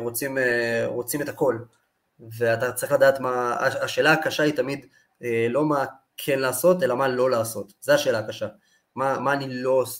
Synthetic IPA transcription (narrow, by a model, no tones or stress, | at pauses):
ʁo̞t͡simeʁo̞t͡simetako̞l | ve̞at̪at͡saʁiχlad̪aːtmaːʃe̞ːlaakaʃaitamid | elo̞ma | kʰenlaːso̞te̞lamalo̞laːso̞tzeaʃe̞ːlaːkaʃa | mamaːnilo̞s